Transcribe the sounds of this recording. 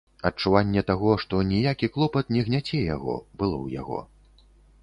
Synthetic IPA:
ɐt͡ʂuvanʲːɛt̪aɣɔʂt̪ɔnʲijakʲiklˠɔpɐt̪nʲɛɣnʲat͡sʲɛja̰ɣɔ̰bɨlˠɔ̰wja̰ɣɔ̰

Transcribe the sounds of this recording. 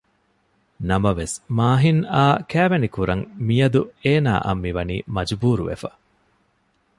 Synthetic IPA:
nɐmɐʋesmaːɦinaːkæːʋenikuɾɐŋmijɐd̪ueːna̰ːʔɐ̰mːiʋɐnḭːmɐd͡ʒbuːɾuʋḛfɐ̰

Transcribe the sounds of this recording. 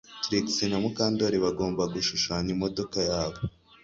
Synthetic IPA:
tɾiksinamukaːndoɾiβaɡo̞ːmbaɡuʃuʃaːnimo̞do̞kajaːβo

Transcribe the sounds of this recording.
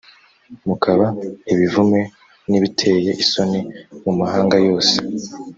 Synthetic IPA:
mukʰaβaiβivume̞ | niβitʰe̞ːjeʔiso̞nemumahaːŋɡajo̞ːse

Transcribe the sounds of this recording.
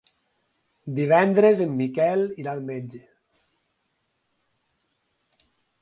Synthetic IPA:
d̪iβɛnd̪ɾezemːikɛliɾalmed͡ʒe

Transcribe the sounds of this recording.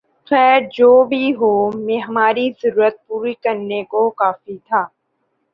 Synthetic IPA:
xɛːɾd͡ʒoːbʱiɦoːmẽɦɐmaːɾizɐɾuːɾət̪̚puːɾikɐɾnekokaːfit̪ʰaː

